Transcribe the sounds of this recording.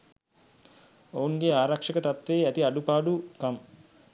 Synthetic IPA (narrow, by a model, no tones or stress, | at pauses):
ouŋɡeaːɾakʂəkət̪at̪ʋeːæt̪iaɖupaːɖukam